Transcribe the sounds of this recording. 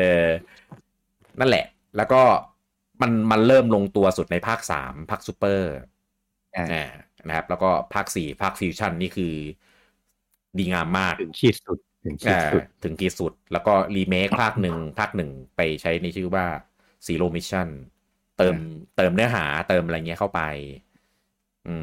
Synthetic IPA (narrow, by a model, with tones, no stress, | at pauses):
ʔɤː˧ | na˥˩nlɛ̰˨˩ʔ | lɛː˦˥wkɔː˥˩ | ma˧nma˧nlɤː˥˩mlo˧ŋt̪u˧ɐsu˨˩t̪̚na˧jpʰaː˥˩k̚sa̰ː˩˦mpʰaː˥˩k̚suː˦˥pːɤː˥˩ | ʔaː˨˩ | na˦˥kʰa˦˥p̚lɛː˦˥wkɔː˥˩pʰaː˥˩k̚siː˨˩pʰaː˥˩k̚fi˧wt͡ɕʰa˥˩nːiː˥˩kʰɯː˧ | diː˧ŋaː˧mːaː˥˩k̚ʰɯ˩˦ŋkʰiː˥˩t̪su˨˩t̪̚ʰ | ɯ˨˩˦ŋkʰʔaː˩˧˩u˨t̪ʰɯ˩˦ŋkiː˨˩t̪̚su˨˩t̪̚lɛː˦˥wkɔː˥˩liː˧meː˦˥k̚pʰaː˥˩k̚nɯ˨˩ŋpʰaː˥˩k̚nɯ˨˩ŋpa˧jt͡ɕʰa˦˥jna˧jt͡ɕʰɯː˥˩waː˥˩ | siː˩˦loː˧mi˦˥t͡ɕʰa˥˩n | t̪ɤː˧mt̪ɤː˧mnɯ˦˥ɐɦa̰ː˩˦t̪ɤː˧mʔa˧ɾa˧jŋi˦˥ɐkʰa˥˩wpa˧j | ʔɯː˧